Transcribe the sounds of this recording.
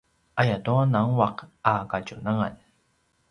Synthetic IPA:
ʔajatuanaŋwaqakacunaŋa̰n

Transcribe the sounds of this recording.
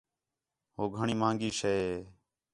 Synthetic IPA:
ɦoːɡʱəɳiːmãːŋɡiːʃeːe

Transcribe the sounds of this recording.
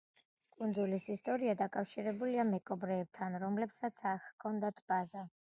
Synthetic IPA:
kʼund̪zulisist̪ʼɔɾiad̪akʼafʃiɾɛbuliamɛkʼɔbɾɛːb̚t̪ʰanɾɔmlɛpsat̪sʰaχkʰːɔnd̪at̪ʰb̥aza

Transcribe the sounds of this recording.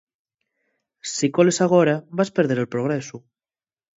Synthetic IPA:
sikɔlesaɣ̞oɾaβaspeɾð̞eɾelpɾoɣ̞ɾesu

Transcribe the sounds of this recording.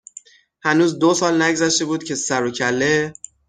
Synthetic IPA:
hænuːzd̪osɒːlnæɟzæʃt̪e̞buːd̪̥̚cʲʰe̞sæɾocʰælːe̞

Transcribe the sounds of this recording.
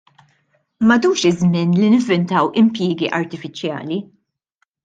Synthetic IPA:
mɐd̪uːʃɪzmɪnlinɪɱvɛnt̪ɐwɪmpjɪːɡiʔɐɾt̪ɪfɪt͡ʃjɐ̰ːli

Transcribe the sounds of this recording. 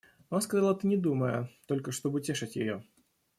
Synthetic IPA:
maskɐzalˠət̪ɨnʲɪd̪uməjət̪o̞lʲkəʂt̪obɨʊtʲeʂɨtʲjɪ̰jo

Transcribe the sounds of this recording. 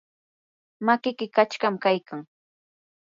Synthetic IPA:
makɪkɪkat͡ʃkamkajkaŋ

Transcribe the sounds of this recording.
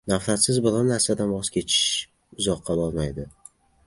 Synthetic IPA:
nafɾat̪sɪzbʊlannaɾsad̪anbɒskʲʰe̞t͡ʃʰɪ̥ʃ | ʊzɒqʰːɑbɒɾmajd̪ɪ

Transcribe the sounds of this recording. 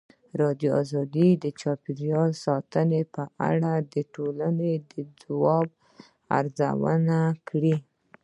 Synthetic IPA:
ɾɑd̪joɑzɑd̪id̪ət͡ʃɑpɪɾjɑlsɑt̪ənepəʔa̰ɽad̪əʈolaned̪əd͡zawɑb̚ | a̰ɾza̰wə̰nakɽi

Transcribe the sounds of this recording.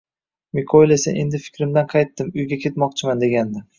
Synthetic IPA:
mɪkʰojlesaʔe̞nd̪ɪfɪ̥kʲɾɪmd̪anqʰɑjt̪ːɪmʊjɡʲakʲʰe̞t̪mɒqt͡ʃʰɪmand̪e̞ɡʲand̪ɪ

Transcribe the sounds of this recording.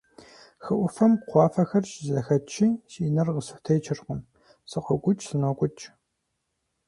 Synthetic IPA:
xɨʔʷʊfɐmqʷɑːfɐxɐrʃzɐxɐt͡ʃʰiːʃiːnɐrʁəsɨxtʰɐjt͡ʃʰɪrqʊm | sɨqəkʷʼʊt͡ʃʼsɨnɔkʷʼʊt͡ʃʼ

